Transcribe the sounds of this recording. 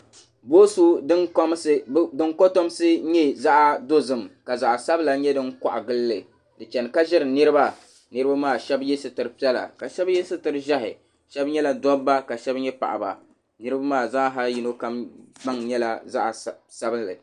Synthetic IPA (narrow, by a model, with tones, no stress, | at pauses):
bo˦su˦dɨ˦ŋkm˦sɨ˦dɨ˦ŋko˦to˦m˦sɨ˦ɲɛ˦za˦ʔa˦do˦zɨ˨mka˨za˨ʔa˨sa˦bla˨ɲɛ˦dɨ˦ŋka̰˨ʔa̰˨ɡɨ˦lːɨ˨ | dɨ˨t͡ʃɛ˨n˨ka˦ʒɛ˦ɾɨ˨nɨ˦ɾɨ˦ba˦ | nɨ˦ɾɨ˦ba˦maː˦˨ʃɛ˦bjɛ˦sɨ˦tɨ˨ɾɨ˨pi˦ɛ˦la̰˨ka˨ʃɛ˦bjɛ˦sɨ˦tɨ˨ɾɨ˦ʒa˦ɦɪ̰˨ | ʃɛ˦bɲɛ˦la˨dɔ˦bːa˦ka˨ʃɛ˦bɲɛ˦pa̰˨ʔa̰˨ba̰˨ | nɨ˦ɾɨ˦ba˦maː˦˨za˦ɦa˦lji˨no˦ka˦mba˦ŋɲɛ˦la˦za˦ʔa˨sa˦bɨ˦lːɨ̰˨